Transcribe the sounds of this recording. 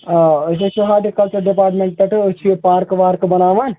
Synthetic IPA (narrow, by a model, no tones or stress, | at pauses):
set͡ʃʰuɦaːd̪ikɐlt͡ʃuɾɖipaːɾʈmẽɳʈ̚pɐʈɨut͡ʃʰijepaːɾkʋaːɾkbɐnaːʋaːn